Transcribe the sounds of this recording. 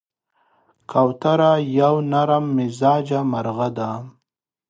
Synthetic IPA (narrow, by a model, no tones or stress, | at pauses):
kawt̪aɾajawnaɾamːɪzɑːd͡ʒamaɾɣad̪am